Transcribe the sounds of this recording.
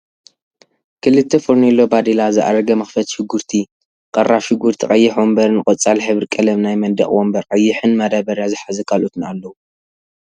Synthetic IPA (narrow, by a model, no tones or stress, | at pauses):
kʰɨlɨt̪ʰːɐfoɾnilːo̞bad̪ilazɨʔa̰ɾɐɡɐmɐxfɐt̪ʃɪɡːuɾt̪ʰi | qʼɐrːaβʃɪɡuɾt̪ʰikʼɐjːɪħwombɐɾɨnkʼɐt͡sʼːalħɨβɨɾkʼɐlɐmnajmɐnd̪ɐ̰χʼwombɐɾqʼɐjːɪħɨnmɐd̪aβɐɾjazɨħazɐkʰalʔot̪nalːɐwu